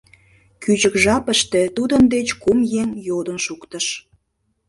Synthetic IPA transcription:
kyt͡ɕəkʒɑpəʃt̪et̪ud̪ənd̪et͡ɕkumjeŋjod̪ənʃukt̪əʃ

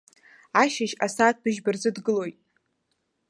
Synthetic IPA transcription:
aʃaʃasaːt̚ʰb̥ɨʒbarzɨdɡɨlo̞jtʼ

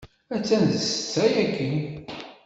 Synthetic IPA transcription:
æt͡sːænd̪əsə̥t͡sːɾajækːən

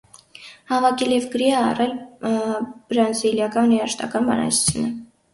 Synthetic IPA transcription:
hɑvɑkʰɛljɛvɡəɾiɛɑ̰rɛl | b̥ɾɑnziljɑkɑnːiɑʒt̪ɑ̰kɑnbɑ̰nɑ̰kt͡sʰu̥t͡sʰjunə

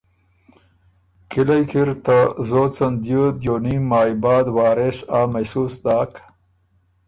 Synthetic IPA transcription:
kilɐjkʰiɾt̪azoːt͡sɐnd̪jəd̪joːnimaːjbaːd̪waːɾesaːmɐjsusd̪aːk

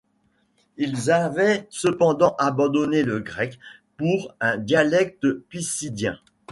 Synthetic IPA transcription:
ilzavɛsəpɑ̃d̪ɑ̃ʔabɑ̃d̪ɔneləɡʁɛkpuʁɛ̃d̪jalɛk̚t̪pisid̪jɛ̃

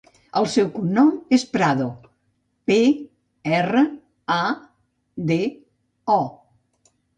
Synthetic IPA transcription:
əlˠsɛwkunnɔmespɾaðo | pe | ɛrə | a | d̪e | ɔ

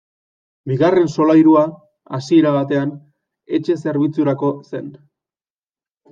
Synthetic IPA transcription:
biɣare̞nso̞lajɾua | asieɾaβat̪e̞an | e̞t͡ʃe̞se̞ɾβit͡suɾako̞se̞̰n

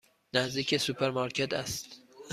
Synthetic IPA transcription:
næzd̪iːcʰesupʰeɾmɑɾcʰet̪ʰæst̪

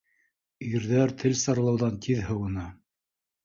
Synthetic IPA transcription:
ĭɾðæɾt̪ʰɘlsɑɾlˠɑwðɑnt̪ʰiðɦɤ̆wɤ̆nɑ

